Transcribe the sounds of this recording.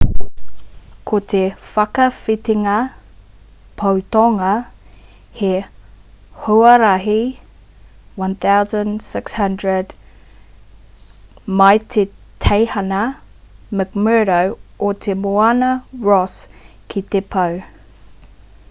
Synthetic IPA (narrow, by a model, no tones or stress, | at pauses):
kʰot̪ʰefɐkɐfit̪iŋɐ | pʰɐwt̪ɔŋɐ | he | hoɐɾɐɦi | wɐ̃nθawzə̃nsɪkshɐ̃ndɹəd | mɐjt̪ʰetʰejhɐnɐ | məkmɜɾowot̪ʰemoanɐɹɔs | kʰit̪epʰɐw